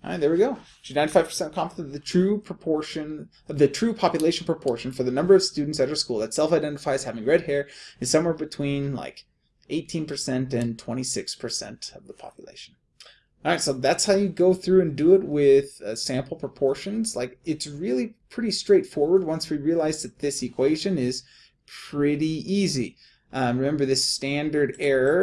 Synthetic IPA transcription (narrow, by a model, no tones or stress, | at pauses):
a̰ɪ̃ðə˞wiɡoʊ | ɨnãɪ̃ntifaɪv̥pʰə̥˞sɛ̃ntkʰɑ̃mpəʌvðɨtʰɹ̥ʉpʰɹ̥əpʰɔɹʃɨ̃n | ʌvðɨtʰɹ̥ʉpʰɑpjɨleɪʃn̩pʰɹ̥əpʰɔɹʃɨ̃n̩fə˞ðɨnʌ̃mbə˞ʌv̥stʉdⁿn̩tsɨɾ̚hə˞skulˠðɨtsɛlˠfaɪdɛ̃ntəfaɪz̥hævɪ̃ŋɹɛd̚hɛɹɨz̥sʌ̃mwɛɹbɨtʰw̥ĩnla̰ɪk | ʔeɪtʰĩnpʰə˞sɛ̃ntɨ̃ntʰw̥ɛ̃ɾ̃isɪkspʰə˞sɛ̰̃ntʌvðəpʰɑ̰pjɨlḛɪʃn̩ | ɑɹaɪtsoʊðætshaʊjɨɡoʊθɹʉɨ̃ndɨɪt̚wɪð̥sæ̃mpl̩ˠpʰɹ̥əpʰɔɹʃɨ̃nz̥laɪkɨtsɹɪlˠipʰɹ̥ɪɾistɹ̥eɪtfɔɹwə˞d̚wʌ̃nswiɹiɨlaɪzðɨt̪̚ðɪsɨkʰw̥eɪʒɨ̃nɪz̥ | pʰɹ̥ɪɾiʔizi | ʔɹɨmɛ̃mbə˞ðɪstæ̃ndə˞ɾɛɹ